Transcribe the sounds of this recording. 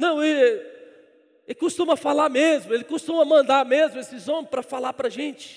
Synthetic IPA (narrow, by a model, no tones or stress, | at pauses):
nɐ̃w̃ | ekust̪ũmɐfalaɾmezmʊelɪkost̪ũmɐmɐ̃nd̪aɾmezmʊesɪzõmɪpɾɐfalapɾɐʒẽt͡ʃɪ̥